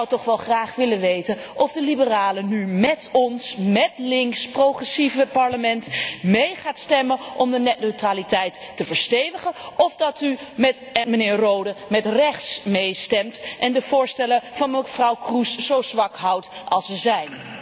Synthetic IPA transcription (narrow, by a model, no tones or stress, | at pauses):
swtɔχʋɛlˠχraːχʋɪlənʋejtənʔɔvdəlibəraːlənymɛtɔnsmɛtlɪŋksprowχɛsivəpɑɹləmɛntmejχaːtstɛməʔɔmdənɛtnøɥtraːlitɛjtːəvəɹstejvəχənɔvdɑtymɛtmənɪːɹrowdəmɛtrɛχtsmejstɛmtʔɛndəvʊːɹstɛləvɑnməfrɑwkruszowzʋɑkɦɑwtɑlˠsəzɛjn